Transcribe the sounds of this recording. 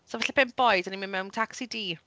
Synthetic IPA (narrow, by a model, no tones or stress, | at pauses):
sovɛɬɪbɛnb̥ɔɨdaniminmɛwntʰaksidiː